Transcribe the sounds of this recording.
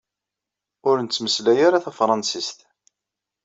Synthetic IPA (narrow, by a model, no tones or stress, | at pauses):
ʊɾənt͡sːməslæjaɾaθæfɾˤɑnsist̪